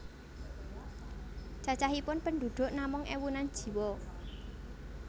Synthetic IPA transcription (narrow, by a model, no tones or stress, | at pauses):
t͡ʃat͡ʃaɦipʊnpənd̪ṳɖ̪̥ʊ̤ʔnamʊŋʔḛwunand̥ʒ̥i̤wɔ